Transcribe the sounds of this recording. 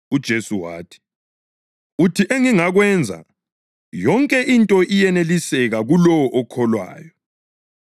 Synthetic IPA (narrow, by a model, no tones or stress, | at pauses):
ud̥ʒ̥ʱesuwa̰ːtʰi̥ | utʰiʔeŋiŋaɣwɛnd͡zʱa̰ | jɔŋkʼɛʔintʼɔʔijɛnelisɛɣaɣulɔwɔʔɔkʰɔlwa̰ːjɔ